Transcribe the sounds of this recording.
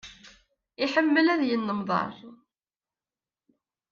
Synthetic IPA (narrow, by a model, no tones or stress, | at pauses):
ɪħəmːəlæðjənːəmðˤɑ̰ɾˤ